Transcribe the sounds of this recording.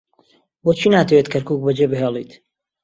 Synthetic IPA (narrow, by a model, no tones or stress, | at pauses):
boːt͡ʃʰiːnaːt̪ʰɐwet̪kʰɐɾkuːk̚bɐd͡ʒebɨɦeːlˠḭːt̪